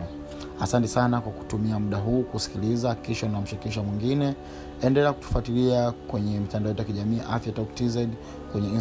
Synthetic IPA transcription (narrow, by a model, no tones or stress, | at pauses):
asantɛsanakwaku̥tumiamuɗaɦuːkusi̥kilizahakiʃaunam̩ʃiɾikiʃamwiŋɡinɛ | ɛndɛlɛaku̥tu̥fatiliakwɛɲɛmitandaɔjɛt̬jakiʄamiːʔa̰fjataktizɛd | kwɛɲɛi